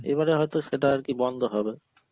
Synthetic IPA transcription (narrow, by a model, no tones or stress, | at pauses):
ḛβaɾeɦɔjt̪oʃeʈaaɾkibɔnd̪ʱoɦɔbe